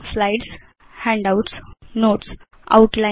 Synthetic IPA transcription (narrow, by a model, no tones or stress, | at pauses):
flaɪʈs | hɛ̃ɳɖaʊʈsnoːʈs | a̰ʊʈlã